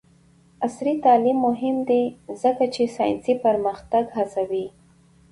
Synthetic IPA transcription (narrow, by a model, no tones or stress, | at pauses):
asɾit̪ɑlimːʊɦɪmd̪ezəkat͡ʃesɑj̰nsipaɾməxt̪aɡhasawi